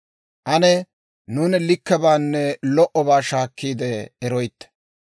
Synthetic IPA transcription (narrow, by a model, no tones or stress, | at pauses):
ʔɐnɛ | nuːnlɪkːɛbaːnːɛlɔʔɔbaːʃaːkːiːd̪ɛːɾɔjt̪ːɛ̥